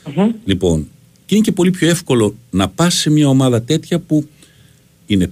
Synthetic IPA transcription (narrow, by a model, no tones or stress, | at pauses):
lipo̞̰n | cinece̞po̞lipço̞efko̞lo̞nɐpɐse̞mɲɐo̞mɐðɐt̪e̞t̪çɐpu | ine̞